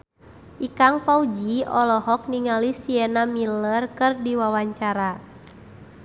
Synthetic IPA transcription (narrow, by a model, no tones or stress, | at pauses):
ʔikaŋpaud͡ʒiɔlɔɦɔk̚niŋalisiɛnamilərkɨrdiwawaɲt͡ʃaɾa